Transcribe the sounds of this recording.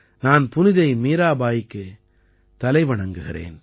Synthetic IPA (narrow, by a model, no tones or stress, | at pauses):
naːnpʊnɪðɐɪmiːɾaːbaːjɪkːɯ | t̪ɐlɐɪʋɐɳɐŋɡɯɣɪɾḛːn